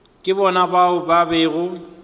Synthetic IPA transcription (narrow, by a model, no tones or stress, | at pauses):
kʼɪbɔnabaʊbabeːɣʊ